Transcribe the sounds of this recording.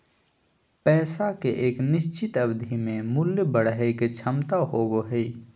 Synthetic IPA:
pɛːsakeʔeːknɪst͡ʃɪt̪əbd̪ʱimẽmʊljbəɽ̤ɦəket͡ʃʰəmt̪aɦoːboɦɛi

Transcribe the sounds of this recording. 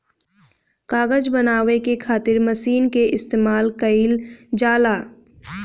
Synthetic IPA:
kaːɣəd͡ʒbɐnaːʋekekʰaːt̪ɪɾmɐsiːnkeʔɪst̪eːmaːlkəild͡ʒaːlaː

